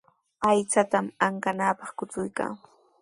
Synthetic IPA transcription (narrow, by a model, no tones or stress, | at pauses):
ajt͡sat̪amaŋkanaːpɑχkʊt͡sʊjka̰ː